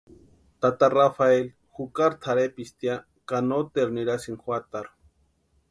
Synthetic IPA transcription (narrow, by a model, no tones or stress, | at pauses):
t̪at̪arafael | xukaɾt̪ʰaɾepist̪ja | kanot̪eɾniɾasiŋxwat̪aɾ